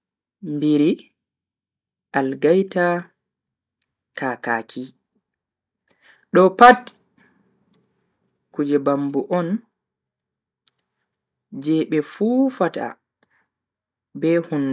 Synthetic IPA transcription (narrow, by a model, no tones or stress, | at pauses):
mbiɾi | alɡajta | kaːka̰ːkʰi | ɗɔpat | kud͡ʒɛbambuʔɔn | d͡ʒɛɓɛfuːfata̰ | bɛhun